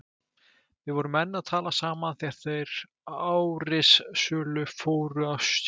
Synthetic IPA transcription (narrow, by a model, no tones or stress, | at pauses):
vɪðvɔɾʏmɛnːaðt̪ʰaːlasaːmanθjɛr̥θejɾ | aːwɾɪsːœːlʏfoːwɾʏas